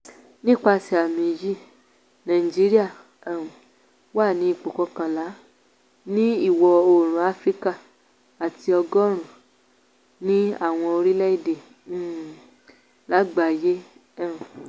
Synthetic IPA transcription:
nĩ˦k͡pa˧si˧a˨mĩ˨d͡ʒi˦˨ | nã˨i˨d͡ʒi˨˦ɾi˦a˦˨ | wa˦˨nĩ˨˦i˦˧˨k͡po˨kɔ˧kã˨la˨˦ | nĩ˦i˦˨wɔ˧o˨ɾ̃ũ˨˦a˦fɾi˦ka˦˨ | a˨ti˧ɔ˧ɡɔ˦ɾ̃ũ˦˨ | nĩ˦a̰˦˨w̃ɔ̃˧o˧ɾi˦lɛ˦i˦˨de˨˦˨ | la˦ɡ͡ba˨je˦˨

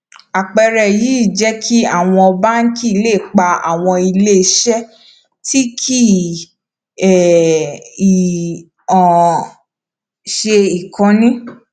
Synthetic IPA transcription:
a˨k͡pɛ˧ɾɛ˨ji˨˦i˦˨d͡ʒɛ˦kʰi˦a˦˨w̃ɔ̃˧ɔ˧ba˦n̩˦ki˦˧le˦˨k͡pa˧a̰˨w̃ɔ̃˧i˧le˦˧ʃɛ˦ | ti˦kʰi˦ | ɛ˨ | ɔ̃˨ | ʃe˧i˨kã˨˧nĩ˦

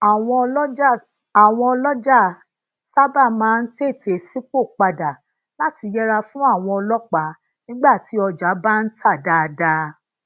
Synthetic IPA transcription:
a˨w̃ɔ̃˧ɔ˧lɔ˦d͡ʒ | a˨w̃ɔ̃˧ɔ˧lɔ˦d͡ʒa˦˨ | sa˦ba˦˨mã˨˦n̩˦te˦˨te˧si˦k͡po˦˨k͡pa˧da˨ | la˦ti˧jɛ˦ɾa˧fũ˦a˦˨w̃ɔ̃˧ɔ˧lɔ˦k͡pa˨˦ | nĩ˦ɡ͡ba˦˨ti˨˦ɔ˧d͡ʒa˨˦ba˦n̩˦tʰa˦˨da˧da˧

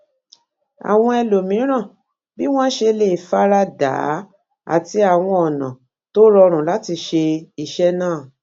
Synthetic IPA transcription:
a̰˨w̃ɔ̃˧ɛ˧lo˨mĩ˨˦ɾ̃ã˦˨ | bi˦w̃ɔ̃˦ʃe˧le˦˨i˨fa˦ɾa˦da̰ː˨˦ | a̰˨ti˧a˨w̃ɔ̃˧ɔ˨nã̰˨ | to˦ɾɔ˧ɾ̃ũ˨la˦ti˧ʃe˧i˨ʃɛ˦nãː˦˨

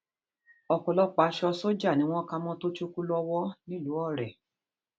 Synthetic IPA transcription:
ɔ˨kɔ˨˧lɔ˧k͡pa˨˦ʃɔ˧so˦d͡ʒa˦˨nĩ˦w̃ɔ̃˦ka˧mɔ̃˦to˦t͡ʃu˦ku˦lɔ˧wɔ˦nĩ˦˨lu˨˦ɔ˦˨ɾɛ˨

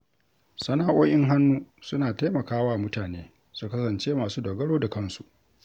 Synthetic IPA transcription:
sɐ˦naː˦ʔoː˦ʔɪ˦ŋɦa˦nːuː˦sʊ˦naː˨ta˦jmɐ˨kaː˦waː˦˨mʊ˦taː˨neː˦ | su˦kɐ˦sɐ˨nt͡ʃeː˦maː˨suː˦doː˨ɡɐ˦ɽoː˦da˨kɐ˦nsu˨ʔ

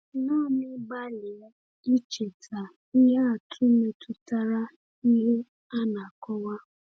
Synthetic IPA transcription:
nɔː˦˨mɪ˦ba˦li˨˦ | i˦t͡ʃe˨tʰa˨ | i˦ɦa˦a˨tʰʊ˦me˨tʊ˨ta˦ɾa˦ | i˦ɦe˦ | a˦na˨kɔ˦wa˦

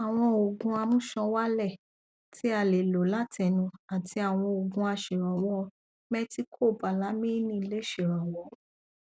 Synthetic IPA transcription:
a˨w̃ɔ̃˧o˨ɡũ˧a˧mũ˦ʃɔ̃˧wa˦lɛ˦˨ | ti˨˦a˧le˨lo˨˦la˦tʰɛ˧˨nũ˧a˨ti˧a˨w̃ɔ̃˧o˨ɡũ˧a˧ʃe˨ɾɔ̃˨w̃ɔ̃˧ | mɛ˦ti˦kʰo˦˨ba˨la˨˦mĩ˦nĩ˦i˧le˦ʃe˨ɾa˨w̃ɔ̃˧

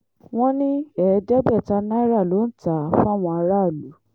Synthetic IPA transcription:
w̃ɔ̃˦nĩ˦ɛ˨˦d͡ʒɛ˦bɛ˦˨ta˧˦nã˦ɾa˦˨lo˨˦n̩˦˨ta˨˦˨fũ˦a˦˨w̃ɔ̃˧a˧ɾa˦˨lu˨˦

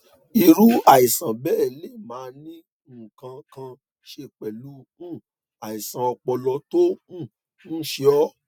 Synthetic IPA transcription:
i˧ɾu˦a˦˨i˨sã˨bɛ˦˨le˦˨mãː˨˦˧nĩ˦˨ | kã˧kã˧ | ʃe˧k͡pɛ˨lu˨˦ | ũ˦˨ | a˨i˨sã˨ɔ˧k͡pɔ˧lɔ˧to˦ũ˦˨ | n̩˦ʃe˧ɔ˦

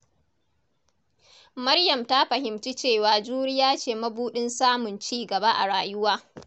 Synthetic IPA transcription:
mɐ˦ɽjɐ˨mta˦ɸɐ˨hɪ˨mt͡ʃi˦t͡ʃeː˦˨waː˨d͡ʒuː˦ɽɪ˦jaː˦t͡ʃeː˦˨mɐ˦buː˦ɗɪ˦nsaː˦mʊ˨nt͡ʃiː˦˨ɡɐ˨ba˦ʔa̰˨ɽaː˨jʊ˦waː˦

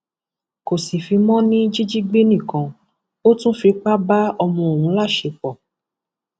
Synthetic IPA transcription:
ko˨si˨fi˧mɔ̃˦nĩ˦d͡ʒi˦d͡ʒi˦ɡ͡be˦nĩ˦˨kã˧˦ | o˦tũ˦fi˧k͡pa˦ba˦ɔ˧mɔ̃˧o˨wũ˨˦la˦˨ʃe˨˧˦k͡pɔ˨

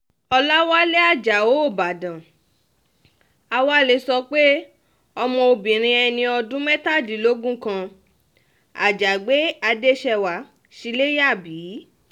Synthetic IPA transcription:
ɔ˧la˦wa˦le˦a˦˨d͡ʒa˨o˨˦o˦˨ba˨dã˨ | a˧wa˦le˧sɔ˧k͡pe˦ | ɔ˧mɔ̃˧o˧bĩ˨ɾ̃ĩ˧ɛ˧nĩ˧ɔ˧dũ˦mɛ̃˦ta˦˨di˨˦lo˦ɡũ˦kã˧ | a̰˨d͡ʒa˨ɡ͡be˨˦a˧de˦ʃɛ˧wa˨˦ | ʃi˧le˦ja˦˨biː˨˦

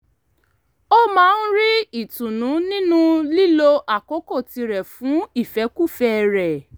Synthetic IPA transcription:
o˦mãː˨˦˧n̩˦ɾi˦i˦˨tũ˨nũ˨˦nĩ˦nũ˦li˦lo˧ʔa˨ko˨˦ko˦˨ti˧ɾɛ˨fũ˨˦i˦˨fɛ˨˦ku˦˨fɛ˦ɾɛ˨

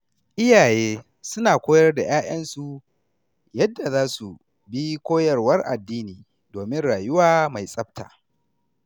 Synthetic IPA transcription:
ʔɪ˦jaː˨jeː˦ | sʊ˦naː˨kʷoː˦jɐ˦rda˨jaː˦j̰ɐ˦nsu˨ | jɐ˦dːa˨zaː˦su˨ | bi˦kʷoː˦jɐ˨rwɐ˦rʔa̰˨dːiː˦niː˨ | doː˨mɪ˦nɽaː˨jʊ˦waː˦ma˨jsʼɐ˦b̚ta̰ː˨

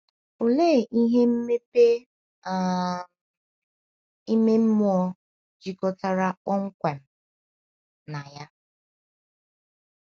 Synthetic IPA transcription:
o˨le˦˨ʔi˦ɦe˦m̩˦me˦pe˦˨ | i˦me˦m̩˦mʊ˦ɔ˦ | d͡ʒi˨kɔ˨ta˦ɾa˦ɔ˦ŋ̩˦kʷe˨m̩˨ | na˨ja˦

